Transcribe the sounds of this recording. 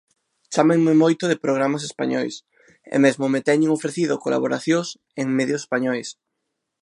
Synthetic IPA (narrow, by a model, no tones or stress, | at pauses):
t͡ʃameŋmemojt̪oðepɾoɣ̞ɾamas̬espa̰ɲɔjs | ḛmezmomet̪ɛɲeŋofɾeθiðokola̰βoɾaθjos | eŋmeðjose̥spaɲɔjs